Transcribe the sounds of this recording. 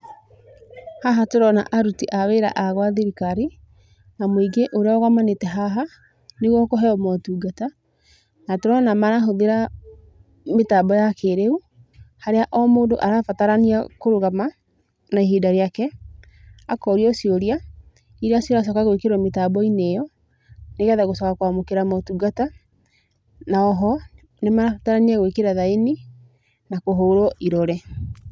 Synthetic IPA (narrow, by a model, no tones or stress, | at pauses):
haɦatoɾɔna̰ʔaɾutiʔaweɾa̰ʔaɣwaðiɾikaɾi | namwiɡeʔoɾeaɔɣamanetɛɦaɦa | neɣwɔkɔɦɛɔmɔtuːɡata | natoɾɔnamaɾaɦoðeɾa | metabɔjakeɾeu | haɾeaʔɔmoːndo̰ʔaɾafataɾaniakoɾoɣama | naehidaɾeakɛ | akɔɾiɔsioɾia | iɾeasioɾas̬ɔkaɣwekeɾɔmetabɔinejɔ | nekɛðaɣosɔkakwamokeɾamɔtuɡata | naɔɦɔ | nemaɾafataɾaniaɣwekeɾaðaeni | nakoɦoːɾɔʔiɾɔɾɛ